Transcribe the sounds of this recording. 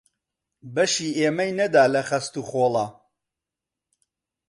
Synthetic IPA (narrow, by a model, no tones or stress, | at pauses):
bɐʃiːʔeːmɐjnɐd̪aːlɐχɐst̪uːχoːlˠa